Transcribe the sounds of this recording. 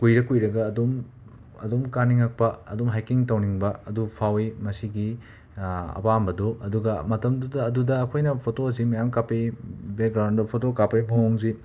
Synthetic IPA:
kujɾɐkujɾɐɡɐːdom | ɐ̰domkaniŋːak̚pɐɐ̰domɦajkiŋtɐwniŋbɐɐdupʰawimɐsiɡi | ɐ̰pambɐdoʔɐduɡɐmɐtɐmdudɐːdudɐːkʰojnɐpʰotoɐs̬imɐjamkapebek̚ɡɾawndɐpʰotokapɐjbɐŋoŋzi

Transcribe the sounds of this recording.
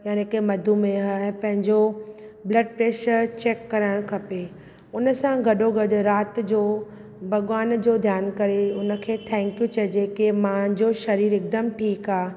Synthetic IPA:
jaːnːkemɐd̪ʱumẽɦaːɦɪpɐ̃ɦɪ̃ɲd͡ʑoblɐɖpɾeːʃəɾt͡ɕeːkːɐɾəɪɽ̃kʰɐpe | ʊnəsãɡʱɐɗoɡɐd̪ʊɾaːt̪d͡ʑoː | bʱɐɡʋaːnd͡ʑoːd̪ʱjaːnkɐɾeʊnə̆kʰeːt̪ʰɛ̃ːŋkjũt͡ɕɐd͡ʑekemãd͡ʑoːʃɐɾiːɾɪk̚d̪əmʈʰiːkaː

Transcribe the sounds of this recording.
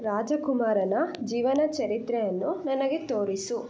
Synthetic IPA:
ɾaːd͡ʒɐkumaːɾɐnɐd͡ʒiːʋɐnɐt͡ʃɐɾit̪ɾejɐnːunɐnɐɡe̞t̪oːɾisu

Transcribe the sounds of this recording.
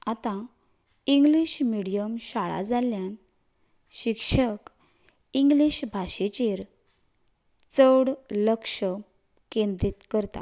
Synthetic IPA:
at̪ã | iŋɡliɕmiɽijəmɕaɭa̰d͡zaljan | ɕikʂək | iŋɡliɕbʱaɕet͡ɕeɾ | t͡səɽləkʂə | kẽnd̪ɾit̪kəɾt̪a̰

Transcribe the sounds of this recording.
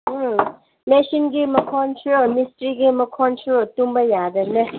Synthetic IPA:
nesinɡimɐkʰɔnsʰɾomistɾiɡimɐkʰɔnsʰɾotumbɐjadɐne

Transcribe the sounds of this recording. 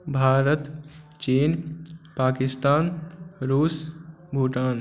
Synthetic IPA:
bʱaːɾət̪ | t͡ʃiːnpaːkɪst̪aːnɾuːs | bʱuːʈaːn

